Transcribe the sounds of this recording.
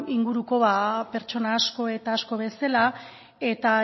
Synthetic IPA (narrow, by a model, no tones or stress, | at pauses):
iŋɡuɾuko̞βape̞ɾt͡ʃo̞naːsko̞e̞t̪aːsko̞βe̞sela | e̞t̪a